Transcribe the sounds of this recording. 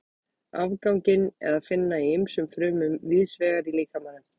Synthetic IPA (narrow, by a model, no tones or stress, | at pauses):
a̰vkawŋcɪnɛ̰ɾðaðfɪnːaiemsʏmfɾʏːmʏmviːðsvɛːɣaɾiliːkamaːnʏm